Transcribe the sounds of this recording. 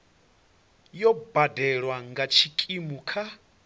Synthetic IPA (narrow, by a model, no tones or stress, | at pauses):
jɔbadɛɺwaŋɡat͡ʃʰikʼimukʰa